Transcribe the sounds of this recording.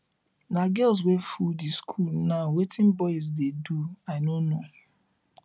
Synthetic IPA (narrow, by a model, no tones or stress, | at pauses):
naɡɛls̬wefudiskʰulnaʊwetʰɪ̃nbɔɪz̬deduaɪnono